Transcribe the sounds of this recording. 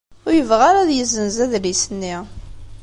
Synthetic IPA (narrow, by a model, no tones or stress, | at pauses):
ʊɾjəvʁaɾaðjəzənzæðlisənːi